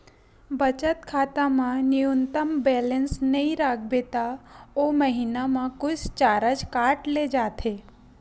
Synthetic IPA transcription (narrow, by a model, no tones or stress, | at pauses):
bət͡ʃət̪kʰaːt̪ãmãnijunt̪əmbɛːlənsnəĩɾaːkʰbeːt̪aoməɦinamãkʊt͡ʃʰt͡ʃaːɾəd͡ʒkaːʈled͡ʒaːt̪ʰe